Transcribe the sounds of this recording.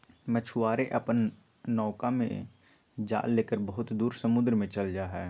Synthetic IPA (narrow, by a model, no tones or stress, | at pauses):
mət͡ʃʰʊaːɾeʔɐpən | nɔːkamḛ̃ | d͡ʒa̰ːlːeːkəɾbɐɦʊt̪d̪uːɾsəmʊd̪ɾmẽt͡ʃəld͡ʒaːɦɛː